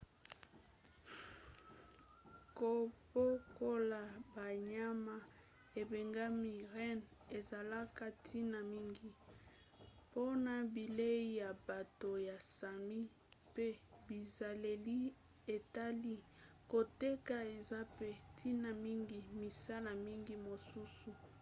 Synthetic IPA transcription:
ko˨bo˦ko˦la˨ba˨ɲa˦ma˨ | e˨be˨ŋɡa˦mi˨ʁɛ˦ne˨za˨la˦ka˦tʰi˦na˨mi˦ŋɡi˨ | po˦na˨bi˨le˦i˦ja˨ba˨to˨ja˨sa˨mi˦ | pe˦bi˨za˨le˨li˦ | e˨ta˦li˦ | ko˨te˦ka˨e˨za˦pe˦tʰi˦na˨mi˦ŋɡi˨mi˨sa˦la˨mi˦ŋɡi˦mo˨su˦su˨

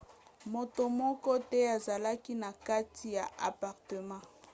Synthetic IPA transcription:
mo˨to˨mɔ˦kɔ˦tɛ˦a˨za˨la˦ki˦na˨ka˦ti˨ja˨ʔa˨pa˨ʁtə˨mɑ̃˦

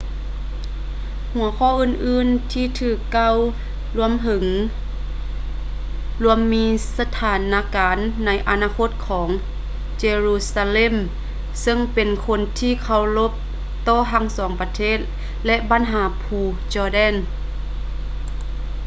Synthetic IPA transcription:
hu˨˩˦ɐkʰɔː˧˩˨ʔɯː˧˨nʔɯː˧˥˨nt̪ʰiː˧˨t̪ʰɯː˧˩kːa˧˥˩w | lu˧əmɦɤ˨˦ŋ | lu˧əmːiː˧˥sa˧t̪ʰaː˨˩˦nːa˧˥kaː˨˦nːa˧˥jʔa˨˧naː˧kʰo˧˥t̪̚kʰɔː˩˦ŋ | t͡ɕeː˧ɾuː˧saː˧le˧˥˨m | sɤ˧˨ŋpe˨nkʰo˧˥nt̪ʰiː˧˩˨kʰa˧˩wlo˧˥p̚ | t̪ɔː˧˩ɦa˧˥˨ŋsɔː˨˩˦ŋpa˧˦t̪ʰeː˧˥˨t̪̚ | lɛ˧ʔba˨˦nɦaː˩˦pʰuː˧ | t͡ɕɔː˧˩dɛ˧˥˨n

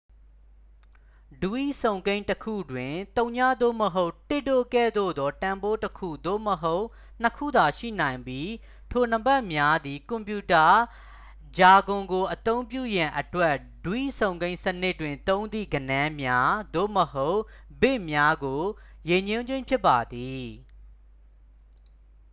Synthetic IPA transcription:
du˨ʔḭ˦˨sõ˨ʊ̃ŋɡẽ˦ɪ̃ntəkʰṵ˦˨dwɪ̃˨t̪õ˦ʊ̃ɲa˦˨d̪o̰˦˨məɦo˦ʊtɪ˦˨do˦˨kɛ̰˦˨d̪o̰˦˨d̪ɔ˦tã˨mbo˦təkʰṵ˦˨d̪o̰˦˨məɦo˦ʊʔ | n̥əkʰṵ˦˨d̪a˨ʃḭ˦˨nã˨ɪ̃mbji˦ | tʰo˨n̥ə˨bɛ˦ʔmja˦d̪i˨kʊ̃˨mpju˨ta˨ | d͡ʑa˨ɡʊ̃˨ŋɡo˨ʔət̪õ˦ʊ̃mpjṵ˦˨jã˨ʔətwɛ˦ʔ | dwḭ˦˨sõ˨ʊ̃ŋɡẽ˦ɪ̃sənɪ˦tːwɪ̃˨nt̪õ˦ʊ̃nd̪ḭ˦˨ɡənã˦mja˦d̪o̰˦˨məho˦ʊʔbɪ˦ʔmja˦ɡo˨je˨ɲʊ̃˦ɲd͡ʑwɪ̃˦˨mpʰjɪ˦pːa˨d̪i˨

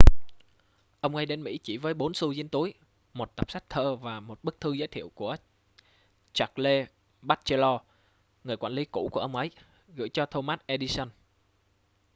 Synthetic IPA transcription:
ʔə˧wŋ͡mŋa˧jɗe˨˦nmḭ˧˥t͡ɕi˧˩vəː˨˦jɓo˨˦nsu˧zi˧˦ənt̪u˨˦əj | mo˨˩t̚t̪ə˨˩p̚sa˦˥jk̚t̪ʰəː˧vaː˨˩mo˨˩t̚ɓɨ˦˥k̚t̪ʰɨ˧zəː˨˦jt̪ʰḭ˧˨əwku˧˩ə | t͡ɕa˨˩k̚le˧ | ɓaː˦˥t̚t͡ɕe˧lɔ˧ | ŋɨ˨˩əjkwaː˧˩li˨˦kṵ˧˩˥ku˧˩əʔə˧wŋ͡mʔə˨˦j | ɣɨ̰˧˥jt͡ɕɔ˧t̪ʰo˧maː˦˥t̚ʔe˧ɗi˧sə˧n

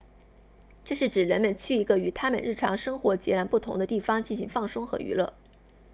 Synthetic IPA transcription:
ʈ͡ʂɤ˥˧ʂɻ̩˥˩ʈ͡ʂɻ̩˨˩ɻə˧˥nmə˨nt͡ɕʰy˥˩i˧˥ɡə˧y˨˩t̪ʰa˥mə̰˨nɻ̩˥˩ʈ͡ʂʰɑ˧˥ŋʂɤ˥ŋxwɔ˧˥t͡ɕjɛ̰˧˥la˧˥npu˥˩t̪ʰʊ˧˥ŋd̪ə˧t̪i˥˩fɑ˥ŋt͡ɕi˥˩nɕi˧˥ŋfɑ˥˩ŋsʊ˥ŋxɤ̰˧˥y̰˧˥lɤ̰˥˩

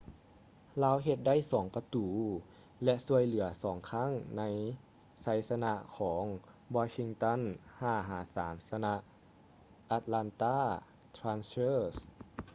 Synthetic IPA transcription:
laː˧˥wɦe˧t̪̚da˥˩˨jsɔː˩˦ŋpa˧t̪uː˩˦ | lɛ˧ʔsu˧əjlɯ˩˦ɐsɔː˩˦ŋkʰa˥˩˨ŋna˧˥j | sa˨˦jsa˧na˧kʰɔː˩˦ŋ | wɔː˧si˧ŋt̪a˧˥˩nhaː˧˩ɦaː˩˦saː˩˦msa˧na˧˥ʔ | ʔa˧t̪̚la˧nt̪aː˥˩ | t̪ʰɾaː˧˥nsɤː˥˩s

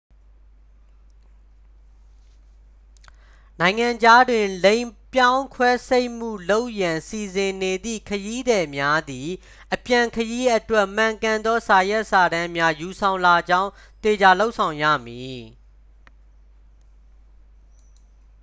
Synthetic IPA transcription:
nã˨ɪ̃ŋã˨ɲd͡ʑa˦dwɪ̃˨lẽ˦ɪ̃pjã˦ʊ̃ŋkʰwɛ˦se˦ɪʔm̥ṵ˦˨lo˦ʊʔjã˨si˨zɪ̃˨ne˨d̪ḭ˦˨kʰəji˦d̪ɛ˨mja˦d̪i˨ | ʔəpjã˨kʰəji˦ʔətwɛ˦ʔm̥ã˨ŋkã˨nd̪ɔ˦sa˨jɛ˦ʔsa˨ɾã˦mja˦ju˨sʰã˨ʊ̃nla˨d͡ʑã˦ʊ̃ | t̪e˨d͡ʑa˨lo˦ʊʔsʰã˨ʊ̃jä̰˦˨mji˨

